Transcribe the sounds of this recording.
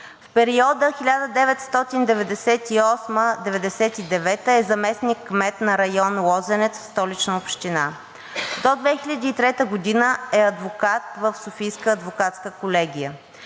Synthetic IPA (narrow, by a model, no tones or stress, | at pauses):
fpɛɾiɔd̪əxilʲad̪əd̪ɛvɛt̪st̪ɔt̪ind̪ɛvɛd̪ɛsɛt̪iɔsməd̪ɛvɛd̪ɛsɛt̪id̪ɛvɛt̪əɛzɐmɛsnikːmɛt̪nɐɾɐjɔnlˠɔzɛnɛt̪fst̪ɔlit͡ʃnəopʃt̪ina | d̪od̪vɛxilʲəd̪iːt̪ɾɛt̪əɡod̪inəɛɐd̪vokat̪̚vəfsofijskəːd̪vokat̪skəkolɛɡʲijə